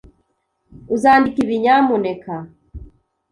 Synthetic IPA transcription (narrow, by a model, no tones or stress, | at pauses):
uzaːndikiβiɲamuneka